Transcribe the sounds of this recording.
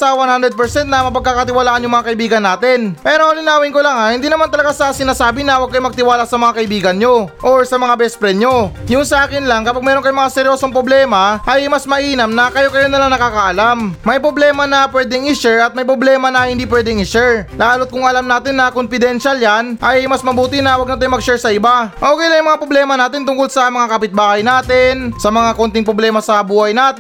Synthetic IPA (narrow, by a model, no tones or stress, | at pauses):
sɐwanhand̪ɾɛd̪pɛɹsɛnt̪nɐmɐpɐɡ̚kːakɐt̪ɪwalaːʔɐnjʊŋmɐŋakɐɪbiːɡɐnːaːt̪ɪnpɛːɾolɪnaːwɪnkolaŋahɪnd̪iːnɐmant̪ɐlɐɡasɐsɪnaːsaːbɪnɐwɐɡ̚kːɐjomɐɡ̚t̪ɪwaːlasɐmɐŋakɐʔɪbiːɡɐnɲo̞ʔoɹsɐmɐŋabɛspɾɛno̞jʊnsɐʔaːkɪnlaŋkɐpaɡ̚mɛːɾo̞nkɐjomɐŋasɛɾjoːsoŋpɾoblɛːmɐʔɐjmɐsmɐʔiːnɐmnɐkɐjo̞kɐjonɐlaŋnɐkaːkɐʔɐlamːɐjpɾoblɛːmɐnɐpwɛːd̪ɛŋɪʃɛɹɐt̪̚mɐjpɾoblɛːmɐnɐhɪnd̪ipwɛd̪ɛŋɪʃɛɹlaːlʊt̪̚kʊŋɐlamnaːt̪ɪnːɐkonfɪd̪ɛnʃaljanʔɐjmɐsmɐbuːt̪ɪnɐwɐɡ̚nɐt̪ojmɐɡ̚ʃɛɹsɐɪbaʔoːkejlaŋjʊŋmɐŋapɾoblɛːmɐnaːt̪ɪnt̪ʊŋkolsɐmɐŋakɐpɪt̪̚baːhɐjnaːt̪ɪnsɐmɐŋako̞nt̪ɪŋpɾoblɛːmɐsɐbuːhɐjnaːt̪